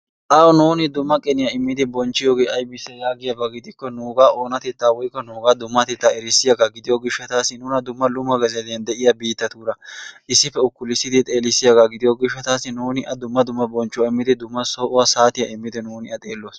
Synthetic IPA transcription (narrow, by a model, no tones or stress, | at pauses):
ʔɐwɔnuːnɪd̪ʊmːɐkʼɛnɪjaɪmːɪd̪ɪbɔnt͡ʃːɪjoːɡeːʔɐjbɪsːɛjaːɡɪjɐbɐɡɪd̪ɪkːɔnuːɡaːʔo̞ːnɐt̪ɛt̪ːaːwɔjkːɔnuːɡaːd̪ʊmːɐt̪ɛt̪ːaɛɾɪsːɪjɐɡaɡɪd̪ɪjoːɡɪʃːɐt̪aːsːɪnunɐd̪ʊmːɐlʊmːɐɡɐzɛd̪ɛjɐnd̪ɛʔɪjɐbiːt̪ːɐt̪uːɾɐʔɪsːɪfɛʊkːʊlɪsːɪd̪ɪt̪ʼe̞ːlɪsːɪjɐɡaɡɪd̪ɪjoːɡɪʃːɐt̪aːsɪnuːnɪʔɐd̪ʊmːɐd̪ʊmːɐbɔnt͡ʃːʊwɐɪmːɪd̪ɪd̪ʊmːɐsoːʔʊwɐsaːt̪ɪjɐʔɪmːɪd̪ɪnuːnɪɐt̪ʼeːlːoːs